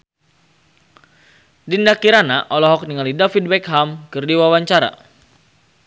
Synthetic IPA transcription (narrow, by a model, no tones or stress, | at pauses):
dindakiɾanaʔɔlɔɦɔk̚niŋalidafid̚bɛkɦamkɨrdiwawaɲt͡ʃaɾa̰